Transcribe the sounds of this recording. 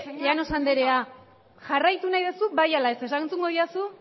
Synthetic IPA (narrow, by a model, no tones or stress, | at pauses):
ano̞sand̪eɾe̞a | ʝarajt̪unajðesubajalae̞se̞saŋnt͡suŋɡo̞ðiasu